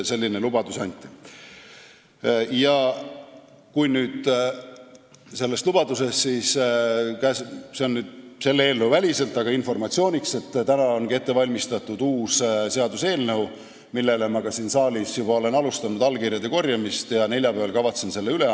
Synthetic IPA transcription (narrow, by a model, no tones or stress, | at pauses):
se̞lʲːinelubɑd̪usɑnʲt̪ːˑi̥ | jɑ | kujnyːd̪̥ | se̞lːest̪lub̥ɑd̪̥use̞st̪siːskæsse̞o̞nːyːd̪̥se̞lːee̞ːlnewvælʲise̞lt̪ːˑɑɡ̥ɑinfo̞rmɑt̪sio̞ːnʲikse̞t̪ːt̪ænɑo̞nɡie̞t̪ːe̞vɑlʲmist̪ɑt̪ːud̪̥uːsse̞ɑd̪use̞ːlnew | milːe̞le̞mɑɡɑsiːnsɑːlʲisjub̥ɑole̞nɑlust̪ɑnud̪ɑlkirjɑd̪e̞ko̞rjɑmist̪jɑne̞lʲjɑpævɑlkɑvɑt̪sense̞lːeyle